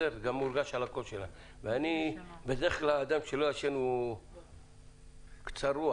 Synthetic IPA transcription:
eʁɡamːuɾɡaʃalakoʃela | veanibed̪eχklaːd̪amʃeloaʃenu | kt͡saɾu

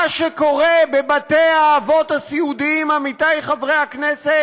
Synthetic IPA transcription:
aʃeko̞ʁebebat̪ejaːvo̞t̪asiud̪iimamitajχavʁejaknese

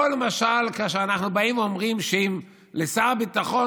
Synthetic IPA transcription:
olmaʃalkaʃ̬eanaχnubaimvomʁimʃeim | lesaʁbit̪aχo̞

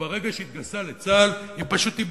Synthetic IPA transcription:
aʁe̞ɡaʃeit̪̚ɡalsalet͡salimpaʃut̪ib

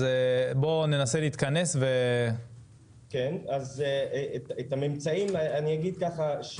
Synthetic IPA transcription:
ebo̞ne̞naseliːt̪kane̞sve | kenazetet̪amimt͡saimaniaɡid̪̚kaχaʃ

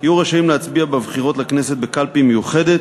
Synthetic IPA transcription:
ajuʁeʃaimleat͡sbiabevχiʁo̞t̪lakneset̪̚bekalpimejuχed̪et̪

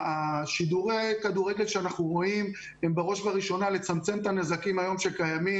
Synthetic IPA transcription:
aʃid̪uʁekad̪uʁe̞ɡe̞lkʃeanaχnuʁo̞im | embeʁo̞ʃvaʁiʃo̞nale̞t͡samt͡se̞mt̪anezakimajo̞mʃe̞kajami

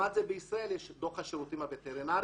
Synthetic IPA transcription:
ad̪zebeisʁae̞ljeʃd̪oχhaʃeʁut̪imavet̪eɾinaɾ

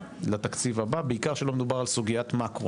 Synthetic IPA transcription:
lat̪akt͡sivababeikaʁʃelo̞med̪ubaʁalsuɡiat̪makʁo

